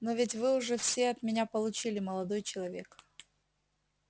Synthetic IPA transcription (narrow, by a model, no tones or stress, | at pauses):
novʲɪtʲvɨʊʐɛfsʲeɐt̪mʲɪnʲapəlˠʊt͡ɕilʲɪməlˠɐd̪o̞jt͡ɕɪlˠɐvʲe̞k